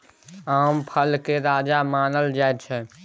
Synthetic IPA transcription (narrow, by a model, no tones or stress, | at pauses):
aːmpʰəlkeɾaːd͡ʒamaːnəld͡ʒaet̪t͡ʃʰɛ̃